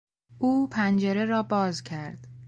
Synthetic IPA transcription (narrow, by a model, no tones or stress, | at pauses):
ʔuːpʰænd͡ʒeɾe̞ɾɒːbɒːzcʰæɾd̪̥